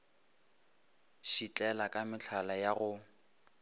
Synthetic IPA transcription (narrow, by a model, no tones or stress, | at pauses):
ʃit͡ɬʼɛlakʼamɪt͡ɬʰalajaɣʊ